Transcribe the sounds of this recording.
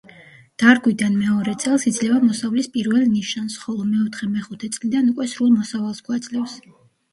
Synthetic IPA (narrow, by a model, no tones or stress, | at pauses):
d̪̥aɾɡwid̪anmɛɔɾɛt̪sʼɛlˠsid̪zlɛvamɔsavlispʼiɾvɛlˠniʃansχɔlˠɔmɛɔt̪ʰχɛmɛχut̪ʰɛt̪sʼlid̪anukʼwɛsɾulˠmɔsavalˠsɡwad̪sʼlɛfs